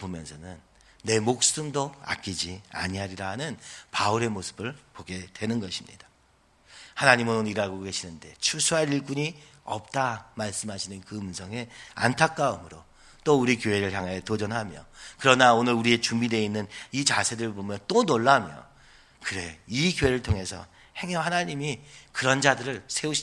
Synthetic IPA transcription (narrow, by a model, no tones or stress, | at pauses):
pomjʌnsʰʌnɯnː | e̞mok̚s͈ɯmdoa̰k͈id͡ʑia̰ɲiɦaɾiɾaɦanɯnpauɾe̞mosʰɯ̥bɯɭpoɡe̞dwe̞nɯnɡʌɕʰimɲḭd̥a | hanaɲimɯnoniɾaɡoɡe̞ɕʰinɯnde̞t͡ɕʰusʰuɦaɾiɭk͈uɲiʌp̚t͈amaɭs͈ɯmɦaɕʰinɯnkɯɯmsʰʌŋe̞a̰ntʰak̚k͈aɯmɯɾo | t͈ouɾikjoɦe̞ɾɯɭçjaŋajʌtod͡ʑʌnɦamjo̰kɯɾʌnaonɯɾuɾie̞t͡ɕumbide̞inːɯnit͡ɕasʰe̞dɯɾɯɭbomjʌnt͈onoɭːamjo̰ | kɯɾe̞ikjoɦe̞ɾɯɭtʰoŋɦe̞sʰʌ̰ | he̞ŋʌhanaɲimikɯɾʌnd͡ʑadɯɾɯɭsʰe̞uɕʰ